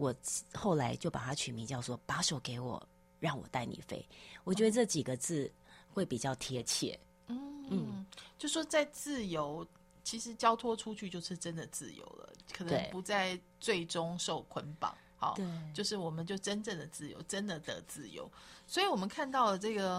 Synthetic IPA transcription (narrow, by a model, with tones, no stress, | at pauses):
wɔ˨˩xo˥˩ʊla˧˥ɪt͡ɕjo˥˩ʊpa̰˨˩t̪ʰa˥t͡ɕʰy˨˩mi˧˥˦t͡ɕjɑ˥˩ʊʂwɔ˥pa˧˥ʂo˨˥ʊke˧˥ɪwɔ̰˨˩ | ɻɑ˥˩ŋwɔ̰˨˩t̪a˥˩ɪnḭ˨˩fe˥ɪwɔ˨˩t͡ɕɥɛ˧˥d̪ə˧ʈ͡ʂɤ˥˩t͡ɕi˨˩ɡə˦t͡sɹ̩˥˧xwe˥˩ɪpi˨˩t͡ɕjɑ˥˩ʊt̪ʰjɛ˥t͡ɕʰjɛ̰˥˩ | n̩˥n̩˥˩t͡ɕjo˥˧ʊʂwɔ˥t͡sa˥˧ɪt͡sɹ̩˥˩jo˧˥ʊ | t͡ɕʰi˧˥ʂɻ̩˧˥t͡ɕjɑ˥ʊt̪ʰwɔ˥ʈ͡ʂʰu˥t͡ɕʰy˥˧t͡ɕjo˥˧ʊʂɻ̩˥˩ʈ͡ʂə˦nd̪ə˨t͡sɹ̩˥˩jo̰˧˥ʊlə̰˨kʰɤ˨˩nə˧e˥˧ŋpu˧˥t͡sa˥˧ɪ | t͡swe˥˩ɪʈ͡ʂʊ˥ŋʂo˥˨˩ʊkʰwə˧˥npɑ̰˨˩˦ŋhɑ̰˨˦t̪t͡ɕjo˥˧ʊʂɻ̩˥˩wɔ˨˩mə˨˦nt͡ɕjo˥˩ʊʈ͡ʂə˥nʈ͡ʂə˥˩ŋd̪ə˩t͡sɹ̩˥˩jo̰˧˥ʊʈ͡ʂə˦˥nd̪ə˨t̪ə̰˧˥t͡sɹ̩˥˩jo̰˧˥ʊswɔ˧˥i˧˥wɔ˨˩mə˦nkʰa˥˧nt̪ɑ˥˩ʊlə˩ʈ͡ʂɤ˥˩ɡə˩